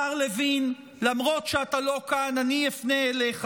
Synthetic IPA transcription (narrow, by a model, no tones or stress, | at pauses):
aʁlevin | lamʁo̞tʃeatalo̞kananiefneleχ